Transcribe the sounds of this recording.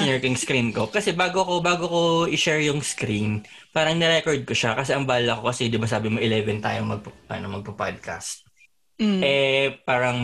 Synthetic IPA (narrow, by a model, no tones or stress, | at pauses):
nɛɹkɪŋskɾinko̞kɐsɛbaːɡokobaːɡoko̞ʔɪʃɛɹjʊŋskɾin | paːɾɐŋnɛɾɛkoɹd̪̚koʃakɐsɛʔɐŋbaːllɐko̞kɐsɛd̪ɪbɐs̬aːbɪmoʔɪlɛvɛnt̪a̰ːjoŋmɐɡ̚pɐɐ̰nomɐɡ̚pɐpad̪̚kʰa̰st̪̚ | ʔɛpaːɾɐŋ